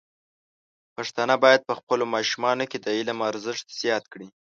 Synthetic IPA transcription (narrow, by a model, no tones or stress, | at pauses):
paʂt̪ɑnabɑjad̪̚pəxpəlomɑʃumɑnoked̪əilamaɾzəʂt̪z̥jɑt̪kɽi